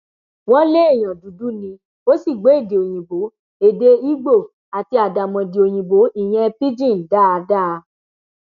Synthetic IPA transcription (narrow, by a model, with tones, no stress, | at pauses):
wɔ̃˦le˦e˦˨j̃ɔ̃˨du˨du˨˦nĩ˧ | o˦si˦˨ɡ͡be˨˦e˦˨de˨o˨j̃ĩ˨bo˨˦ | e˨de˧i˦ɡ͡bo˦˨ | a˨ti˧a˨da˨mɔ̃˧di˨o˧j̃ĩ˨bo˨˦ʔi˦˨j̃ɛ̃˧˦pi˦d͡ʒĩ˦˨n˨da˦a˧da˦˨˧